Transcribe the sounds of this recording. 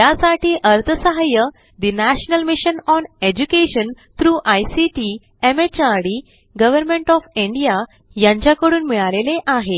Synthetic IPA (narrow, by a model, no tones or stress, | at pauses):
jasaʈʰiːʔəɾt̪ʰəsəɦajə | d̪inæɕnəlmiɕənɔned͡ʑukeɕən | t̪ɾuːʔajsiʈi | emet͡ɕaɾɽi | ɡəʋəɾmẽɳʈɔfiɳɖija | jãɲt͡ɕjakəɽuːnmiɭaleleʔaɦe